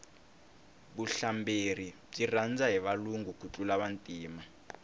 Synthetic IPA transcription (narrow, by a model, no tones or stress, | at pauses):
ɓuɬamber̤i | b͡ʐirand͡zaɦiβaluŋɡukʰut͡ɬʼulaβantʼiːma